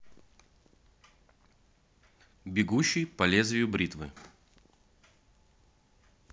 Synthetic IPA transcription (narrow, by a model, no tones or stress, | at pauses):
bʲɪɡuɕːɪjpɐlʲezvʲɪjʊbɾʲit̪vɨ̰